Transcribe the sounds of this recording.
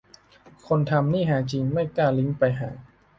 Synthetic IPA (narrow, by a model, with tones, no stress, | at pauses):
kʰo˧nt̪ʰa˧mniː˥˩ɦaː˩˦t͡ɕi˧ŋma˥˩jkaː˥˩li˦˥ŋpa˧jɦa̰ː˩˦